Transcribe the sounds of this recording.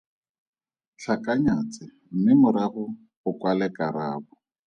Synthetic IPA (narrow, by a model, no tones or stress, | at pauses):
t͡ɬʰakʼaɲat͡sʼɪ | m̩mɪmʊɾaɣʊ | ʊkwalɛkʼaɾaːbʊ